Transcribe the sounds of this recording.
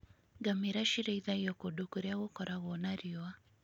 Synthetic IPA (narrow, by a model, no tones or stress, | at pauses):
ɡameɾaʃiɾeiðaiɔkodokoɾeaɣokɔɾaɣwɔnaɾiɔa